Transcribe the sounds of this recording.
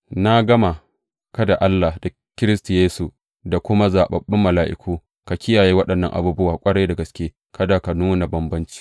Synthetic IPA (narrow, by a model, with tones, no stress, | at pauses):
na˦ɡɐ˦ma˨ | kɐ˦da˨ʔa˦lːa˨da˨ | kʲɪ˦ɾɪ˦stu˨jeː˦su˨ | da˨kʷʊ˦ma˦zaː˨ɓɐ˨bːɪ˦mːɐ˨laː˨˦ʔɪ̰˦kʰʷuː˦ | ka˨kʲɪ˦jaː˨jeː˦wɐ˦ɗɐ˨nːɐ˦ŋʔa̰˨buː˦bʊ˦waː˨kʷʼɐ˦ɽɐ˦jda˨ɡɐ˨skʲeː˦ | kʰɐ˦daː˨ka˨nuː˦na˨bɐ˦mbɐ˦nt͡ʃi̥ː˦